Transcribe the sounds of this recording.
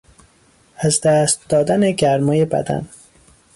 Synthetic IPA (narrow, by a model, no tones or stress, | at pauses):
æzd̪æːst̪̚d̪̥ɒːd̪æneɡæɾmɒːje̞bæ̰d̪æ̰n